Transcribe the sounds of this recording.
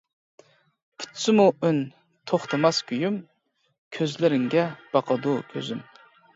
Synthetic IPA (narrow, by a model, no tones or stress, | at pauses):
pʰy̥t̪sɪmuʔyn | t̪ʰoχt̪ʰɨmɑskʲyjym | kʲʰøzlɪɾɪŋɡʲɛb̥ɑqʰɑd̪ukʲʰø̰zym